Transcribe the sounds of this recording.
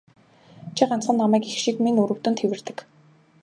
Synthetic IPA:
t͡ɕʰiɢan̥t͡sχə̆nːamæːkixʃikmiŋuɾɵ̆w̥t̪ɵ̆nt̪ʰewɘ̆rt̪ɘ̆k

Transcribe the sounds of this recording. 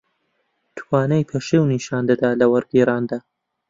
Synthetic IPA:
t̪ʰwɑːnɐjpʰeʃewniʃɑːnd̪ɐd̪aːlɐwɐɾɡeːɾaːnd̪aː

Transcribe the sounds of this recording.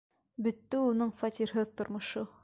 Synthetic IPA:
bɵ̆t̪ːɘunɤɴfɑt̪ʲiɾɦɤðt̪ŏɾmŏʃo

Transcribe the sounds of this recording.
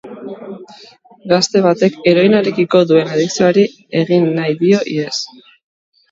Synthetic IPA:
ɡast̪e̞β̞at̪e̞ke̞ɾo̞jnaɾe̞kiko̞ðue̞naðiksiaɾi | e̞ɣinːajðio̞ʔiðe̞s

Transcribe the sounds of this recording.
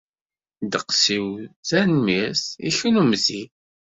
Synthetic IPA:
d̪əqsiwθænmisḭçunumzi

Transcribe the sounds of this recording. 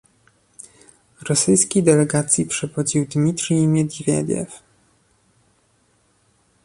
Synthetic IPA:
ɾɔsɘjskʲid̪ɛlɛɡat̪sʲjipʂɛvɔd͡ʑiwd̪mʲit̪ɾimʲɛd̪ʲivʲjɛ̰d̪ʲjɛ̰f

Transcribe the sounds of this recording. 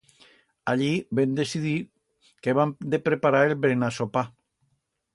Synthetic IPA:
aʎibend̪esiði | keβamd̪epɾepaɾaelβɾenasopa

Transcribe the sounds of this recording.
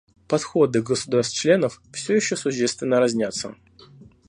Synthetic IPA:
pɐt̪xo̞d̪ɨɡəsʊd̪arst̪t͡ɕlʲe̞nəffsʲojɪɕːosʊɕːest̪vʲɪnːəɾɐzʲnʲat̪sːə̰

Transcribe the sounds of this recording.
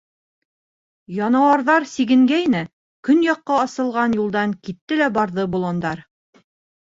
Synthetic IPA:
jɑnɑwɑɾðɑɾsiɡɘ̆ŋɡæjnɘ | kɵnjɑqːɑɑsɤ̆lˠʁɑnjulˠd̪ɑŋkit̪ːɘlæbɑɾðɤbŭlˠond̪ɑɾ

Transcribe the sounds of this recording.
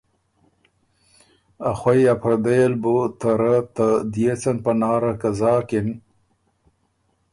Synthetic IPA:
axwajapʰɾad̪ajalbot̪aɾat̪ad̪ijet͡sanpanɑːɾakazɑːkɪn

